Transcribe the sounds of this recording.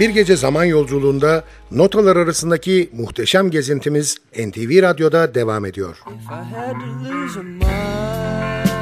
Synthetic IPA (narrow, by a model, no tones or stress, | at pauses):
b̥iɾɟe̞d͡ʒɛzamanjo̞lˠd͡ʒulˠuːnd̪a | no̞t̪ʰalˠaɾaɾasɯnd̪acʰimuxt̪ʰeʃæmɟe̞zint̪ʰimiz | ɛnt̪ʰiviːɾad̪jo̞d̪ad̪e̞vaːme̞d̪ijo̞̰ɾ̥